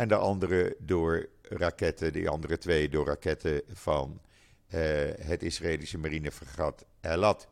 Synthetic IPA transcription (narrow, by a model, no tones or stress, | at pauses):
ʔɛndəʔɑndərədʊːɹrakɛtədə̰ʔɑ̰ndərətʋejdʊːɹra̰kɛtʰəv̥ɑn | ɦətɪsraeːlisəmarinəfərχɑt | ɛlɑt